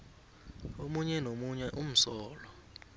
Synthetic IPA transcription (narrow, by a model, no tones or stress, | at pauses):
omuɲɛnomuɲɛʔum̩sɔːlɔ